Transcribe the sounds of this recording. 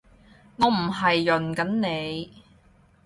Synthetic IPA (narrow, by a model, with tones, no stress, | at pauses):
ŋɔː˨˧m̩˨˩ɦɐ˨jːɵ˨˩nkɐ˨˥nne˨˧j